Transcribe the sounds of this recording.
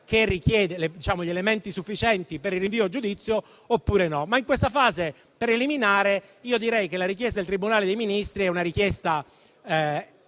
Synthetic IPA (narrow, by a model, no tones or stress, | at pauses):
kerːik̟jɛːd̪eled̪it͡ʃaːmoʎelement̪isufːit͡ʃɛnt̪ipeɾilrːiɱviːod͡ʒud̪it̪sːjo | opːuːɾenɔmaiŋkwest̪afaːze | peɾeliminaːɾe | iːod̪iɾɛjkelːaɾikjɛst̪adelt̪ɾibunaːled̪ejminist̪ɾiɛunaɾikjɛst̪a